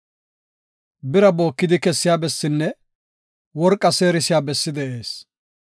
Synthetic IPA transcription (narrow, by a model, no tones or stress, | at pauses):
bɪɾɐbo̞ːkːɪd̪ɪkɛsːɪjaːbɛsːɪnːɛ | wɔɾkʼːɐse̞ːɾɪsɪjaːbɛsːɪd̪ɛʔe̞ːs